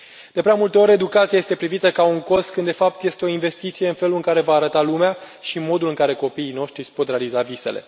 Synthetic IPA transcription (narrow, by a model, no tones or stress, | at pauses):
d̪̥e̞pɾeamult̪e̞o̞ɾʲe̞d̪ukat̪siaje̞st̪e̞pɾivit̪əkauŋko̞st̪̚kɨnd̪e̞fap̚t̪je̞st̪eo̞inve̞st̪it̪sije̞ɨnfe̞luɨŋkaɾe̞vaːɾət̪alumea | ʃimo̞d̪ulɨŋkaɾe̞ko̞piːno̞ʃt̪ɾispo̞t̪ɾealizavise̞̰le̞̰